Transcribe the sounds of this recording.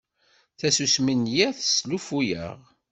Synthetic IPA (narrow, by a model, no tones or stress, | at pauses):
θæsusminjæθslufujə̰ʁ